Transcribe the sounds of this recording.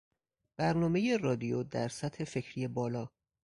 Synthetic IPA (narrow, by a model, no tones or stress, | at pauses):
b̥æɾnɒːme̞je̞rɒːd̪ijod̪æɾsæt̪ʰhe̞fe̞cʰɾije̞bɒːlɒː